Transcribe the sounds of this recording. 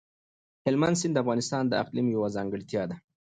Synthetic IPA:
hɪlmand̪sɪnd̪əafɣɑnɪst̪ɑnd̪əa̰qlimjawazɑːŋɡəɽt̪jɑd̪a

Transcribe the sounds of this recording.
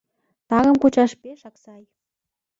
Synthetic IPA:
t̪ɑɣɤ̆mkut͡ɕɑʃpeʃɑksɑj

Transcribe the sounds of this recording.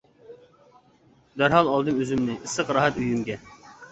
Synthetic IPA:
d̪æɾɦɑlˠɑlˠd̪ɨmøzymnɪʔɨsəqɾɑɦɛt̪yjymɡʲɛ

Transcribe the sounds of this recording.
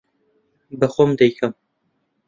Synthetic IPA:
bɐxomd̪ɐjkʰɐm

